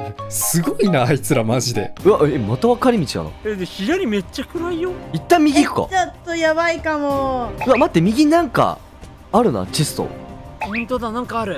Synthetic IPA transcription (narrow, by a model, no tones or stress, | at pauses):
sɨɡo̞inaːit͡sɨɾamaʑid̪e̞̰ɯaʔemat̪aβakaɾʲimʲit͡ɕia̰no̰ed̪eçijaɾʲime̞t͡ɕakɯ̟ɾaijoit̪ːãmːʲiɡʲikɯ̥ka̰t͡ɕot̪ːojaβaikamoɯ̟amat̪ːe̞mʲiɡʲinãŋka̰ | aɾɯ̟na̰t͡ɕisɨ̥t̪o̰poĩnt̪od̪anãŋkaːɾɯ̟